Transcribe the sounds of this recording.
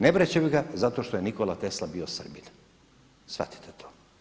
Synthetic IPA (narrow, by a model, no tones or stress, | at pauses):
nebɾet͡ɕemiɡazat̪o̞ʃt̪oje̞nikolat̪e̞slabio̞sr̩bin | sʋa̰t̪i̥t̪ʰet̪ʰoː